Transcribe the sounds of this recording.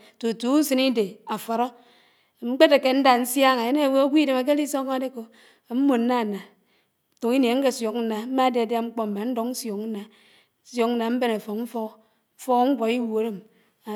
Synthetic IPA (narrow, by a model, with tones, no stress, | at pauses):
to˨tu˦u˦sɨ˦ni˦de˨a˨fa˨ɾo˦˨ | ŋ͡m̩˦k͡pe˦ta˨ke˨n̩˦da˦˨n̩˦sja˦ŋa˨e˦ne˦˨we˦o˦ɡʷi˦de˦ma˨k̬e˦li˦so˦ŋ˦de˦ko˨ | m̩˦mo˨n̩˦a˦˨na˨ | tu˨ŋi˦n˨e˨ŋ̩˦ke˦˨sjo˨kn̩˦na˨m̩˦ma˦de˨a˨dja˦ŋ͡m̩˦k͡po˦m̩˨ma˨n̩˦do˦kn̩˦sjo˨kn̩˦na˨˦ | sjo˨˦k̚n̩˦na˨m̩˦be˦na˨fo˨km̩˦fo˦k̩˦ | fɔ˦ɣŋ͡m̩˦kʷo˨i˦wo˨˦de˦m | a˨